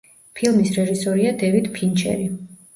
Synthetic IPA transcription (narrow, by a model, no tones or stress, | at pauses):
pʰilˠmisɾɛʒisɔɾiad̪ɛvid̪pʰint͡ʃʰɛ̰ɾi